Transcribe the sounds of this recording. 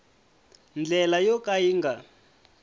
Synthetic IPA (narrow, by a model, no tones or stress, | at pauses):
nd͡ɮɛlajɔkaiːŋɡa